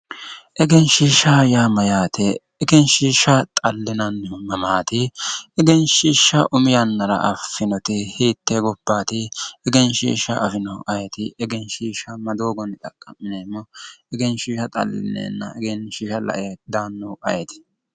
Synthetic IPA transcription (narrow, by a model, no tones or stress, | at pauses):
ʔɛɡɛnʃiːʃajaːmɐjaːt̪ʰɛː | ɡɛnʃiːʃɐt̪ʼɐlːɪnɐnːmɐmaːt̪ɪɛɡɛnʃiːʃːɐʔʊmɪjɐnːɐɾɐ̰ʔɐfːɪnɔt̪ɪhiːt̪ːɛɡɔbːaːt̪ɪɛɡɛnʃḭːʃːɐʔɐfɪnɔʔɐjɛt̪ɪɛɡɛnʃiːʃɐmɐd̪oːɡɔnɪt̪ʼɐkʼːɐmːɪnemːɔɛɡɛnʃiːʃɐt̪ʼɐ̰lːɪ̰nḛːnːɐ̰ɛɡɛnʃiːʃɐlɐ̰ʔɪjɐd̪aːnːɔwʔɐjɛt̪ɪ̥